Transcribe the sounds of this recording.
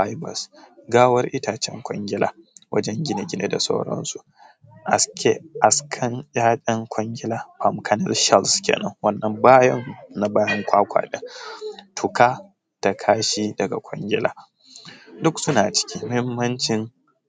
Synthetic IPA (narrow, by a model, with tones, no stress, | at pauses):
ɸa˦jbɐ̰˨sɡaː˦wɐ˦rʔɪ˦taː˨t͡ʃɛ˦ŋkʷʼɔ˦ŋɡʲɪ˦la̰ː˨wʔɐ̰˦d͡ʒɛ˦ŋɡʲɪ˦ne˨ɡʲɪ˦ne˦da˨sa̰˦wɽɔ̰˦nsu˨ | ʔa˨skʲe˦ʔa˨skʰɐ˦njʲaː˦ɗʲʼɛ˦ŋkʷɔ˦ŋɡʲɪ˦laː˨ɸa˨mkʰɐ˦nɛ̰˦lʃɛ˦lskʲḛː˨nɐ̰˦ŋwɐ˦nːɐ˨mbaː˦jɐ˦nna˨baː˦jɐ˦ŋkʷaː˦kʷa̰ː˨ɗɪ˦ŋtʰʊ˨kaː˦ | d̥a˨kʰaː˦ʃiː˦dɐ˨ɡa̰˨kʷʰʼɔ̰˦ŋɡʲɪ˦lʔa̰ː˨ | dʊ˦ksʊ˦naː˨t͡ʃɪ̥˦kʲiː˦mɐ˦hɪ˦mːɐ˦nt͡ʃɪ˦n